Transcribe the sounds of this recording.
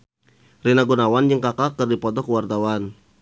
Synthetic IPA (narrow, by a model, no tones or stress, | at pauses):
rinaɡunawand͡ʒɨŋkakakərdipɔt̪ɔkəwart̪awan